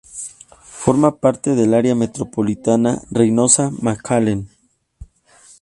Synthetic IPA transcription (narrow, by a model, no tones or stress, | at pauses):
fo̞ɾmapaɾt̪eðelaɾjamet̪ɾopolit̪anarejnosamakʰalen